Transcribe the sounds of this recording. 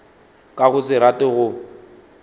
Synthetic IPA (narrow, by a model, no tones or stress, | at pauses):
kʼaɣʊsɪɾatʼɪɣʊ